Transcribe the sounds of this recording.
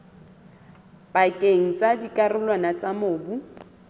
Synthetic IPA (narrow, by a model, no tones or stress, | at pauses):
b̥akʼeŋ̩t͡sʼadikʼarʊlwanat͡samoːbu